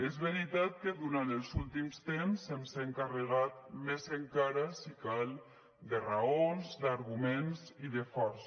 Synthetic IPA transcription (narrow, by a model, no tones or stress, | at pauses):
ezβəɾit̪at̪̚kəðuɾant̪əlˠzulˠt̪imst̪emsemsaəŋkarəɣat̪̚mezeŋkaɾasikalˠ | d̪əraonzd̪aɾɣumensiðəfɔɾs